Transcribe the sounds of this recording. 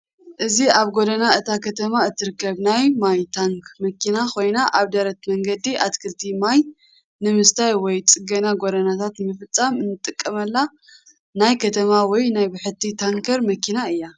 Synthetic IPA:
ʔɨziaβɡo̞d̪ɐnaɨt̪ʰakʰɐt̪ʰɐmaɨt̪ʰːɨɾɨkːɐβnajmajt̪ʰaŋkʰmɐkʰinakʰo̞jnaʔaβd̪ɐɾɐt̪mɐŋɡɐd̪iʔat̪kʰɨlt̪ʰimaj | nɨmɨst̪ʰajwɔjt͡sʼɨɡɐnaɡo̞d̪ɐnat̪ʰat̪nmɨfɨt͡sʼːamɨnːɨt̪ʼːɨkʼːɐmɐlːa | najkʰɐt̪ʰɐmawɔjnajbɨħɨt̪ʰːit̪ʰaŋkʰɐɾmɐkʰinaɨjːa

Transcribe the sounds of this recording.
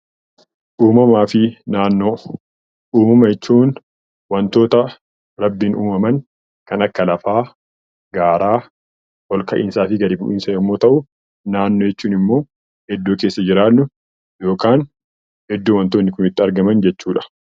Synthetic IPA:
ʔuːmɐmaːfɪnaːnːo̞ː | ʔuːmɐmɐjɛt͡ʃːuːn | wɐnt̪o̞ːt̪ɐ | ɾɐbːɪnʔuːmɐmɐn | kɐnɐkːɐlɐfaː | ɡaːɾaː | wɔlkɐʔɪːnsaːfɪɡɐɾiːbʊʔiːnsɐjɐmːo̞ːt̪ɐʔʊ | naːnːoːjɛt͡ʃːuːnɪmːo̞ː | hɛd̪ːoːke̞ːsːɐd͡ʒɪɾaːʊ | jo̞ːkaːn | hɛd̪ːoːwɐnt̪oːnːɪkʊmɪt̪ːɪɐɾɡɐmɐnd͡ʒɛt͡ʃːuːᶑɐ̥

